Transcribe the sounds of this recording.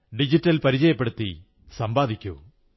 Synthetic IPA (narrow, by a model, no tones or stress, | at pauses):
ɖid͡ʑitːɐlpɐɾid͡ʑɐjɐpːeɽut̪ːi | sɐmbaːd̪ʱikʲːṵ